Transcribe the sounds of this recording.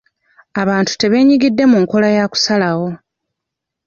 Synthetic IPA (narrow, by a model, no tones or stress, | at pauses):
aβaːntu̥te̞βe̞ːɲiɡidːe̞muŋko̞lajaku̥salawo̞